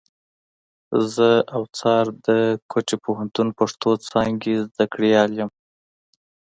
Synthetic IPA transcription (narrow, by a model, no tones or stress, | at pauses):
zəawt͡sɑɾd̪əkʰot͡ʃepoɦant̪unpaʂt̪ot͡sɑŋɡezd̪akɽijɑljəm